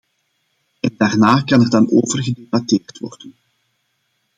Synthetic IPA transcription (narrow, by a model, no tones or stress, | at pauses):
ɛndaːrnaːkɑnɛrdɑnoːvərɣədebɑteːrtʋɔ̰rdən